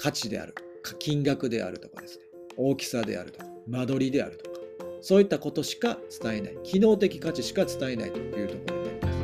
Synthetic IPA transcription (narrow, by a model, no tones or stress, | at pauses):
kʰat͡ɕid̪e̞̰a̰ɾɯ̟kḁkʲĩŋɡakɯ̟d̪e̞̰ʔa̰ɾɯ̟t̪o̞ka̰d̪e̞sɨ̥neo̞ːkʲi̥sad̪e̞̰a̰ɾɯ̟t̪o̞kḁmad̪o̞ɾʲid̪e̞a̰ɾɯ̟t̪o̥kḁsoːit̪ːako̞t̪o̞ɕi̥kat͡sɨ̥t̪ae̞na̰ikʲino̞ːt̪e̞kʲi̥kat͡ɕiɕi̥kat͡sɨ̥t̪ae̞nait̪o̞jɯ̟ːt̪o̞ko̞ɾo̞d̪ḛimas